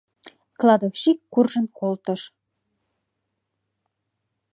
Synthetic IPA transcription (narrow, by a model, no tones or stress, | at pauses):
klˠɑd̪ofʃikːurʒə̆nkolˠt̪ɤ̆ʃ